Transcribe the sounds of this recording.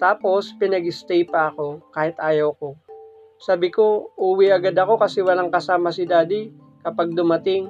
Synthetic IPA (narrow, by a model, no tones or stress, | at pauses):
t̪aːpo̞spɪnɐɡɪst̪ɛjpɐɐko̞kaːhɪt̪ʔaːjɐwko̞ | saːbɪko̞ʔuːwiʔɐɡad̪ɐko̞kɐsɛwɐlaŋkɐsaːmɐsɪd̪aːd̪ɪ | kɐpaɡ̚d̪ʊmɐt̪ɪŋ